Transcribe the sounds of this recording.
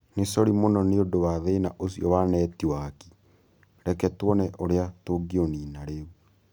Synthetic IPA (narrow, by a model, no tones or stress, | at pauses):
nesɔɾimonɔneodowaðenaʔosijɔwanɛtiwaki̥ | ɾɛkɛtwɔnɛʔoɾeatoɡioniːnaɾeu